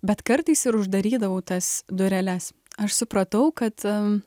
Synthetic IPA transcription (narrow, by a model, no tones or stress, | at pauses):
bʲɛt̪kɐɾt̪ɐɪsɪɾʊʒd̪ɐɾʲiːd̪ɐʋɐːt̪ɐsd̪ʊɾʲɛlʲɛs | ɐʃsʊpɾɐt̪ɐʊkɐt̪